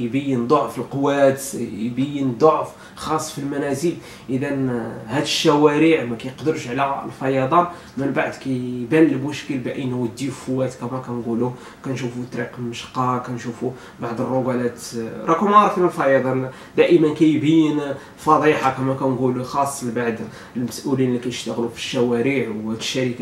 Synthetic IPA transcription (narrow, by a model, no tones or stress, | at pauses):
jbæjːənd̪ˤoʕfilqowːæt̪jbæjːənd̪ˤoʕf | xɑsˤːfilmænæzil | ʔəd̪ænhæd̪əʃːæwæɾiʕmækæjqd̪əɾʃʕlæ̰lfɑjɑd̪ˤɑn | mənbaʕd̪kæjbælːmʊʃkəlbʔəjnwəd̪ːifʊwæt̪kæmækænɡulu | kænʃufut̪ˤːɾiqməʃqːɑkænʃufu | baʕd̪ˤərˤːoɡælæt̪ɾˤɑkumɑɾˤfinəlfɑjɑd̪ˤɑn | d̪æʔəmənkæjbæjːən | fɑd̪ˤiħɑkæmækænɡuluxɑsˤːlbaʕd̪ | əlmæsʔulinlːikæjəʃt̪əɣlufi̥ʃːæwæɾiʕwhæd̪əʃːæɾikæ